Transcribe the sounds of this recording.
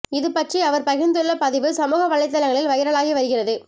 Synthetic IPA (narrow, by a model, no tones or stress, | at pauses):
ɪðɯpɐʈriɐʋɐɾpɐɣɪnd̪ɯɭːɐpɐðɪʋɯsɐmuːɣɐʋɐɭːɐɪt̪̬ːɐlɐŋɡɐɭɪlʋɐjɪɾɐɭaːɣiʋɐɾɯɣɪrɐðɯ